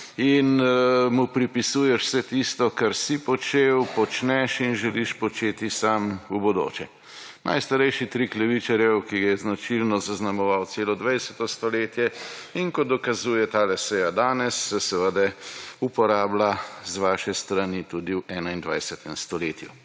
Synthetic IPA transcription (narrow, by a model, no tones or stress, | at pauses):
inmupɾipisuːjɛʃw̥sɛt̪ist̪ɔkaɾsipɔt͡ʃewpɔt͡ʃnɛʃinʒɛliʃpɔt͡ʃeːt̪isamubɔd̪o̰ːt͡ʃɛ | nʔa̰jst̪aɾɛjʃit̪ɾiklɛʋit͡ʃaɾjɛwkiɡajɛznat͡ʃilnɔzaznamɔʋawt̪seːlɔd̪ʋajsɛt̪ɔst̪ɔleːt̪jɛiŋkɔd̪ɔkazuːjɛt̪aːlɛsɛjad̪aːnɛsːɛsɛʋəd̪ɛupɔɾaːblazʋaːʃɛst̪ɾanit̪ud̪iwʔɛːnaind̪ʋa̰jsɛt̪ɛmst̪ɔleːt̪ju